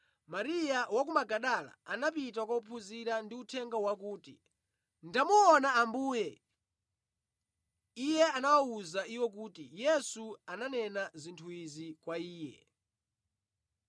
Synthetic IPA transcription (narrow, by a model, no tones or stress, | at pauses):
maɾijawak̬umaɡaɗala̰anapit̬akwaupʰuziɾandiutʰɛŋɡawakuːtḭ | ndamuɔnaːmbuːjɛ | ijɛanawauzaʔiwɔk̬uːtijɛsuananɛnazintʰuizikwaiːjɛ̰